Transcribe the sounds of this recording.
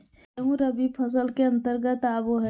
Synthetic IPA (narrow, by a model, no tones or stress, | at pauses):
ɦũɾəbiːbpʰəs̬əlkeɐ̃nt̪əɾɡət̪aːboɦɛ